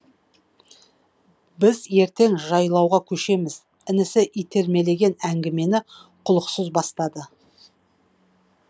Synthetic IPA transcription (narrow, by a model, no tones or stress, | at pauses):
bɪzje̞ɾt̪e̞ŋʒɑjlˠɑwʁɑkʲʰɵʃe̞mɪz | ɪnɪsɪʔijt̪ʰe̞ɾme̞le̞ɡʲe̞næŋɡʲɪme̞nɪqʰʊlˠəqsəzbɑst̪ɑd̪ə